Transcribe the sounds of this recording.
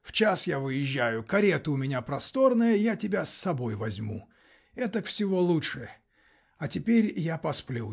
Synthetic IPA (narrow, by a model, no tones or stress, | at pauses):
ft͡ɕasjavɨjɪʑːæjʊkɐɾʲet̪ʊʊmʲɪnʲapɾɐst̪o̞rnəjəjatʲɪbʲasːɐbo̞jvɐzʲmṵ | ɛt̪əkfsʲɪvo̞lˠuʂɨ | ɐtʲɪpʲeɾʲjapɐsplʲu